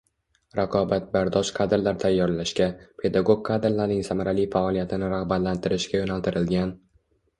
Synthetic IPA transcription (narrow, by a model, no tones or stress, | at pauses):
ɾaqʰɒbat̪̚baɾd̪ɒʃqʰad̪ɾlaɾt̪ʰajːɒɾlaʃkʲapʰe̞d̪aɡoɡ̚qʰːad̪ɾlaɾnɪŋsamaɾalijfaɒlˠijat̪ʰɪnɪɾaʁbat̪lant̪ʰɪɾɪʃkʲajonalt̪ɪɾɪlɡʲan